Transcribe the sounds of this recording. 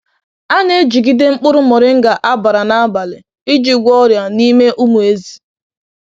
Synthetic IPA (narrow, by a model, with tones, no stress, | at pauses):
a˦ne˦e˦d͡ʒi˨ɡi˦de˦ŋ͡m̩˦k͡pʊ˦ɾʊ˦mɔ˨ɾɪ˦ŋ̩˦ɡa˨ʔa˦ba˨ɾa˨na˦a˦ba˨lɪ˨ | ɪ˦d͡ʒi˨ɡʷɔ˦ɾja˨ni˦me˦ʔu˦mu˨e˦zi̥˨